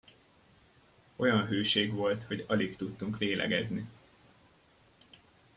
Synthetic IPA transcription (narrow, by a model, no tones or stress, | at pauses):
o̞jɒnɦøːʃeːɡʋo̞lt̪ho̞ɟɒlikt̪ut̪ːuŋkʋeːlʔɛ̰ɡɛ̰zni